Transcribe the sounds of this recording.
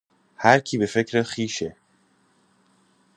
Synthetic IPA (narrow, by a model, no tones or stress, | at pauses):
hæɾcʰiːbe̞fe̞cʰɾexiːʃe